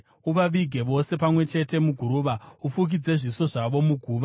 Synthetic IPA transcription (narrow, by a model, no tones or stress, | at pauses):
uʋaʋiɡʱe̞ʋo̞se̞pamwe̞t͡ʃe̞te̞muɡʱuɾuːʋaufuk̬id͡ze̞ʐiso̞ʐaʋo̞muɡʱuːʋa